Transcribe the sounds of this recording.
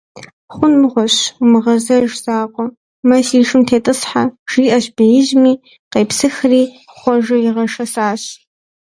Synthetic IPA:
χʷʊnmɨʁʷɔɕmɨʁɐzɐʒzaːqʷʼɔ | mɐsiːʂɨmtʰeːtʼɨsħaʒ̥iːʔɐɕbɐjɪʒmiː | qeːpsɨxriː | χʷɔʒɐjɪʁɐʂɐsaːɕ

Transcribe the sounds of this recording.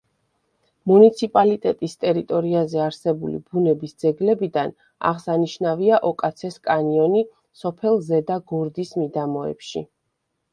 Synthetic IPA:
munit̪sʰipʼalit̪ʼɛt̪ʼist̪ʼɛɾit̪ʼɔɾiazɛaɾsɛbulḭbunɛbisd̪zɛɡlɛbid̪an | a̰ʁsaniʃnaviaʔɔkʼat̪sʰɛskʼaniɔni | sɔpʰɛlˠzɛd̪aɡuɾd̪ismid̪amɔɛ̰pʃḭ

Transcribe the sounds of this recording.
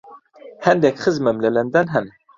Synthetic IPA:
hɛnd̪ɛkχəzmɛmlɛlɛnd̪ænɦɛn

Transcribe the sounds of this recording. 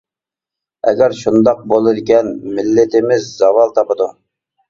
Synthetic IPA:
ɛ̰ɡʲæɾʃund̪ɑq̚bolˠɨd̪ɪɡʲɛnmɪlːɪt̪ɪmɪzːɑvɑlˠt̪ʰɑpəd̪u

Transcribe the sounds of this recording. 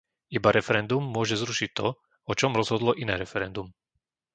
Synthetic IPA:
ibaɾɛfɛɾɛnd̪umːʊɔʒɛzɾuʃic̚t̪ɔ | ɔt͡ʃɔmɾɔzɦɔd̪lɔʔinɛːɾɛfɛɾɛnd̪um

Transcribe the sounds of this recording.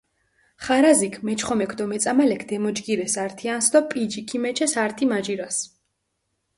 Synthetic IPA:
χaɾazikʰmɛt͡ʃʰχɔmɛkʰd̪ɔmɛt̪sʼamalɛkʰd̪̥ɛmɔd͡ʒɡiɾɛsaɾt̪ʰiansd̪ɔpʼid͡ʒikʰimɛt͡ʃʰɛsaɾt̪ʰimad͡ʒiɾas

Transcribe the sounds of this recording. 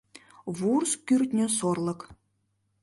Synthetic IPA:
vurskʲyrt̪ʲnʲɘ̆sorlˠɤ̆k

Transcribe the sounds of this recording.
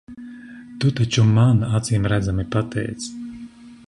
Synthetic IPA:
t̪ut̪at͡ʃumanat̪siːmɾæd̪zamipat̪ʰɛ̰jt̪s

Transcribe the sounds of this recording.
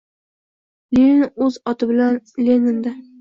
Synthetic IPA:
lenɵzɒt̪ʰɪbɪlanlʲenɪnd̪a

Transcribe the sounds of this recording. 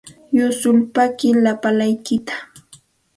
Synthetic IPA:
jʊsʊlpakɪlapalajkɪt̪ḁ

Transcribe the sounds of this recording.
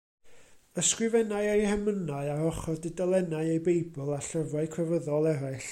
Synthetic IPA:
əskrɪvɛnaɨejhɛmənaɨaɾɔχɔdɪdalˠɛnaɨejbejbʊlˠaɬəvwaɨkʰwɛvəðɔlˠɛɾaɨɬ

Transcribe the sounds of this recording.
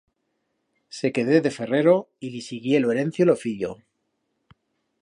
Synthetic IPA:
se̞ke̞ðe̞ðe̞fe̞re̞ɾo̞ilisiɣje̞loe̞ɾe̞n̟θjolofiʎo̰

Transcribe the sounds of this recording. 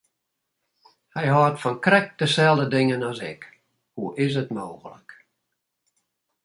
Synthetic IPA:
hɛjɦɔːtfɔnkrɛk̚d̥əsɛlˠdədɪŋənɔsɪ̰k | huʔɪs̬ətmoːɣələ̰k

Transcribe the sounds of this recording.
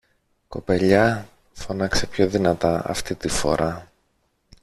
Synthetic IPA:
ko̞pe̞ʎɐ | fo̞nɐkse̞pço̞ðinɐt̪ɐɐ̰ft̪it̪ifo̞̰ɾʔɐ

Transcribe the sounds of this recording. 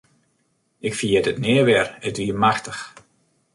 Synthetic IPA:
ɪkfəjɛtətnɪəʋɛrətʋiəmaxtəx

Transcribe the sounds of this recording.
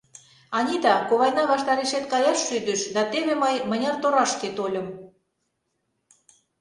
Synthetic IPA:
ɑnʲid̪ɑkoβɑjnɑβɑʃt̪ɑɾeʃet̪kɑjɑʃːyd̪əʃd̪ɑt̪eβemɑjmə̆nʲɑrt̪oɾɑʃket̪olʲə̆m

